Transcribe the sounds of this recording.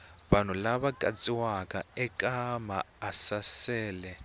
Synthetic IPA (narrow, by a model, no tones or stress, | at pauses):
ɓanulaɓakʼa̰t͡sʼiwakʼaɛkʼama̰ːsasɛːlɛ